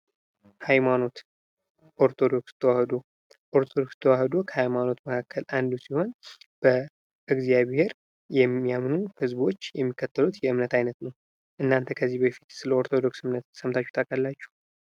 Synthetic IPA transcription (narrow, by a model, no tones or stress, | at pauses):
hajmano̞t̪ | ʔoɾt̪ʰo̞d̪o̞kst̪ʰːəwahd̪o | ʔoɾt̪ʰod̪o̞kst̪ʰəwahd̪okʰəhajmano̞t̪məkʰakːəlʔand̪usiho̞nb̥ə | ʔɨɡzijaβhe̞ɾ | jɛmːijamnuhɨzbo̞t͡ʃːjɛmːikːət̪ʰːəlut̪jɛɨmnət̪ajnət̪nəw | ʔɨnːant̪ʰəkʰəzːibəfit̪sɨləoɾt̪ʰo̞d̪o̞ksɨmnət̪səmt̪ʰat͡ʃːu̥t̪ʰakʼəlːat͡ʃːu̥